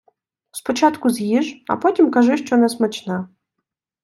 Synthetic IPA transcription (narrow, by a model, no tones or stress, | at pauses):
spɔt͡ʃat̪kʊzʲjiʒɐ̰pɔtʲimkɐʒɪʃt͡ʃɔnɛsmɐt͡ʃna